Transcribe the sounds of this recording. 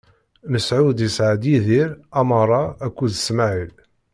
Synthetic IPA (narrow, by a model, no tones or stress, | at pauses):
nəsʕud̪əsʕad̪iðiɾæməɾˤɑækʷːuðsmaʕil